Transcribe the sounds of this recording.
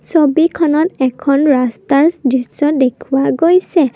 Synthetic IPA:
sobikʰɔnɔtɛkʰɔnɹastaɹsdisɔdekʰuwaɡojsɛ

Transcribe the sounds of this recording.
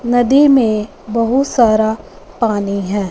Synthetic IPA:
nɐd̪imẽ | bɐɦʊt̪saːɾa | paːniɦɛ̃ː

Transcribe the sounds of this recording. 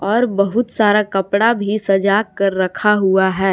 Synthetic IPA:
ɔːɾbɐɦʊt̪saːɾakɐpɽabʱisɐd͡ʒaːɐɾːɐkʰaɦuaɦɛː

